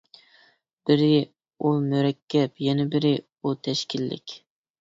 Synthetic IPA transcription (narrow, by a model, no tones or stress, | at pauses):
b̥ɪɾɪ | umyɾɛkʲʰːɛpjɛnɛbɪɾɪ | ut̪ʰɛʃkʲilːɪ̰kʲ